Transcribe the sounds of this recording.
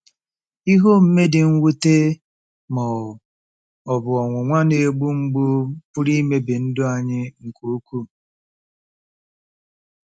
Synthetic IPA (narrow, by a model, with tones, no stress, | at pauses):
i˦ɦo˦m̩˦me˦dɪ˨ŋ̩˦wu˦te˦ | mɔ˨ | ɔ˨bʊ˨ɔ˨ŋʷʊ˨ŋʷa˦ne˨ɡ͡bu˦ŋ͡m̩˦ɡ͡bʊ˦pʊ˦ɾi˦me˦bɪ˨n̩˦dʊ˦a˨ɲɪ˦ŋ̩˨ko˦ku˦